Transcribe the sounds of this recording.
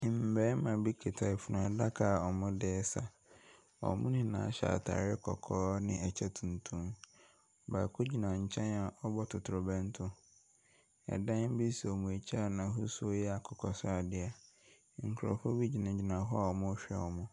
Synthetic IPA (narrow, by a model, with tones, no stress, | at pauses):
m̩˨bɛː˦mã˨bi˦kʰe˨tʰa˨fu˨nʊ̃˨ɛ˨da˦kʰa˨ɔ˨mʊ̃˦dɛː˦sa˨ | ɔ̰˨mʊ̃˦nɪ̃˦nã˨˦ɕa̰ː˨tʰa̰ː˨ɾɪ˦kʰɔ̰˨kʰɔː˦nɪ̃˦ɛ˨t͡ɕʰɛ˦tʰũ˨n˨tʰũ˦m˨ | ba̰˨kʰʊ˦d͡ʑi˨nã˨ɲ̩˨t͡ɕʰɛ̃˦na˨ʔɔ˦bɔ˦tʰʊ˨tʰʊ˨ɾʊ˨bɛ̃˦n˦tʰʊ̃˦ | ɛ̰˨dã˦n̩˦bi˦si˨ɔ˨mũ˨e˨t͡ɕʰa˦a˦˨nã˨ɦʊ˦su˦o˦jɛ˦a˨kʰɔ˨kʰɔ˨sʊ˦a˨dɪ˦a˨ | ŋ̩˨kʰɾɔ̰˨fʊ˦bi˦d͡ʑi˨nã˨d͡ʑi˨nã˨ɦɔ˦a˨ɔ˨mʊ̃˦ɔ˦ɕᶣɛ̰˦˨wɔ˨mʊ̃˦